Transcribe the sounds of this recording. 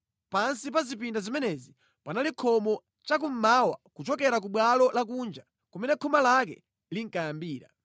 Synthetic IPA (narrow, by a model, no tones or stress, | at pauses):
pansipazipindazimɛnɛzi | panalikʰɔmɔ | t͡ʃak̬um̩mawakut͡ʃɔkɛɾak̬uɓwalɔlak̬uːnd͡ʒa | kɔmɛnɛkʰɔmalak̬ɛ̰ | liŋ̩kajambiːɾa̰